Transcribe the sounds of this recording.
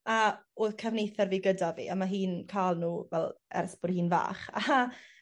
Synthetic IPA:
aoːθkʰavnejθɛrviːɡədavḭːamaɦiːnkʰaːlˠnuːvɛlˠɛ̰rθb̥ʊrhiːnva̰ːχa

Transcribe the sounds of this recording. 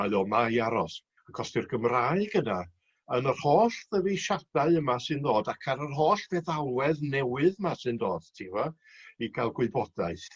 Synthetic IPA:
aðɔmaiaɾɔs | akʰɔstɪrɡəmraːɨɡ̥əna | ənərhoːɬðəviʃad̥aɨəmasɨndoːdakʰaɾərɦoːɬv̥eːðalˠwɛðnɛwɨðəmasɨndoːd̥tʰivɔ | iɡʰalˠɡwɪbɔd̥aɨθ

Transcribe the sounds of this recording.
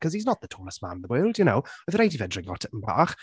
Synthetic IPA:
kʰʌz̥iznət̪̚ðətʰɔːləsmã̰nɪ̃nðəwɜːlˠdjənowɪðɾedivɛdɹɪ̃ŋvɔ̰tʰəʔm̩ba̰χ

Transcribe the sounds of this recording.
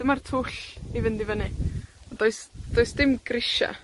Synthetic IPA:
d̥ɪmartʰʊɬivɪndivənɨɔd̥oɨsd̥oɨsd̥ɪmɡ̥rɪʃa̰

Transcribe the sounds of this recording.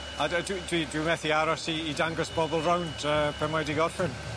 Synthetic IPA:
adwdwidwimɛθiaɾɔsiːdaŋɡɔsb̥ɔbɔlˠrawnd̥əːpʰɛmajdiɡɔrɬɪn

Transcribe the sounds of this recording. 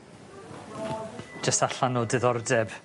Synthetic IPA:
d͡ʒəstaɬanɔdɨðɔrdɛb̥

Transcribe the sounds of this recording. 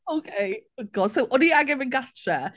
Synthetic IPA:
oʊkʰejoɡ̥ɔd̥sowʔɔniaɡɛvɪnɡat͡ʃʰɛ

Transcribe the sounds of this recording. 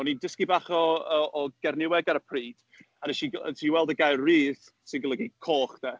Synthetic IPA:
ɔnindɪskibaχɔəːɡ̥ɛrnɪwɛɡaɾəpʰriːd̥ | anɛʃḭtʰiwɛlˠdəɡajrːiːð | sɪnɡələɡikʰoːχd̥ɛ

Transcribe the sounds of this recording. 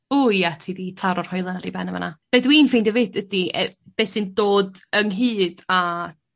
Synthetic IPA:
uːjatʰiːðitʰaɾɔr̥hɔjlˠənaɾibɛ̰nəva̰nab̥edwiːnfendəvɪdədiɛb̥eːsɨndoːdəŋɦɨːd̥a

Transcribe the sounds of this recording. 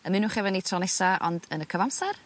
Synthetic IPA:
əmɨnuχɛvɛnitʰrɔnɛsaʔɔ̰ndənəkʰəvamsar

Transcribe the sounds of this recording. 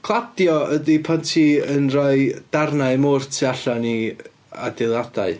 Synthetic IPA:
kʰlˠadjɔədipʰɔntʰiənrɔɨd̥arnaɨmʊrtʰiaɬani | a̰dɪlˠadaɨ

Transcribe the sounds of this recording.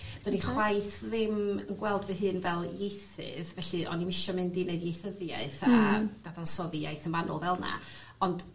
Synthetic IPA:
d̥ɔniχwwajθðɪmənɡwɛlˠdvɨɦɨːnvɛlˠjejθɪ̰ðvɛɬɨʔɔ̰nimɪʃɔmɨndineɨdijejθəðjaɨθad̥aðansɔðjajθənvanɔ̰lˠvɛlˠna̰ | ɔnd̥

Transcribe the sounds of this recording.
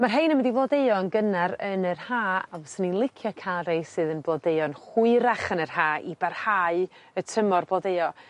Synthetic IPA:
marɦejnəmwɪdivlɔdeɨɔənɡənaɾənərhaːavɔsənilˠɪkʰjɔkʰalˠrejsɨːðənblɔdeɨɔnχwʊɨɾaχənər̥haːʔibarhaɨətʰəmɔrblɔdejɔ

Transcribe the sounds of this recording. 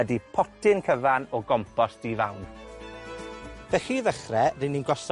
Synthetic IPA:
ədipʰɔtʰɪnkʰəvanɔɡɔmpʰɔsd̥iːva̰wn | v̥ɛxiːðəχrɛrɪninɡɔs

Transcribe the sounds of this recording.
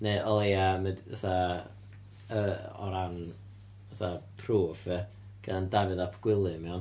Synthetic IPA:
neʔɔlˠejamədaθa | əɔ̰ɾan | aθapʰruːv̥ə | ɡ̥ədandavɨðapʰɡ̥wɪlˠɨmɛɔn

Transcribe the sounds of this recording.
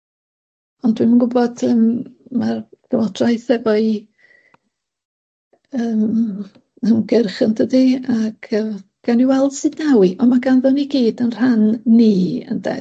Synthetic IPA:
ɔndwimənɡʊbɔd̥əːmmard̥əwɔd̥rajθɛvɔɨ | əːm | əmɡɪrχəndʰədiaɡ̥ʰəɡ̥aniwɛl̥ˠsɨdnawiʔɔmaɡanðʊniɡiːdənr̥anːiːə̰nda̰

